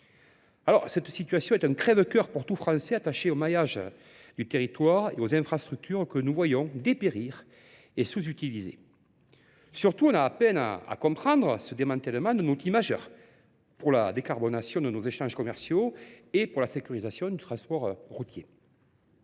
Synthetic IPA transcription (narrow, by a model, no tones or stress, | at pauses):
alɔʁsɛt̪sit̪yɥasjɔ̃ɛt̪ɛ̃kχɛvəkœʁpuʁt̪ufχɑ̃sɛat̪aʃeomajaʒ | d̪yt̪eʁit̪waʁeozɛ̃fχast̪χyk̚t̪ʰyʁkənuvwajɔ̃d̪epeʁiʁ | esuzyt̪ilizḛ | syʁt̪uɔ̃naːpɛna̰a̰kɔ̃pχɑ̃d̪ʁəsəd̪emɑ̃t̪ɛləmɑ̃d̪ənot̪χimaʒœʁ | puʁla̰d̪ekaʁbɔnasjɔ̃d̪ənozeʃɑ̃ʒəkɔmɛʁsjoepuʁlasekʲyʁizasjɔ̃d̪yt̪χɑ̃spɔʁʁut̪je